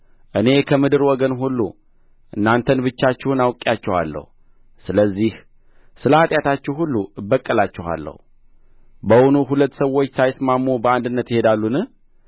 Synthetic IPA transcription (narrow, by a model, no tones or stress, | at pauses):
ʔɨne̞kʰəmɨd̪ɨɾwɔɡənɦulːu | ʔɨnːant̪ʰənbɨt͡ʃːat͡ʃːɪhunawkʼːjat͡ʃːɛwa̰lːə̰hu | sɨləzːih | sɨləhat̪ʼjat̪ʰat͡ʃːɛɦulːubːəkʼːəlat͡ʃːɪha̰lːə̰h | bəwunuɦulət̪ːsəwːo̞t͡ʃːsajsmamːubəand̪ɨnːət̪jɪhe̞d̪alːunɨh